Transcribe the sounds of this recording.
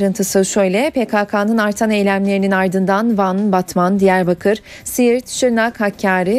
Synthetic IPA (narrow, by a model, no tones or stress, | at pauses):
ɾɯnt̪ʰɯsɯʃøjlʲɛpekʰaːkʰaːnɯnaɾt̪ʰane̞jlʲæmlʲe̞ɾininaɾd̪ɯnd̪anvanbat̪mand̪ijæɾbakʰɯɾ̥ | sijiɾt̪ʃɯɾnakhacʰːaːɾɪ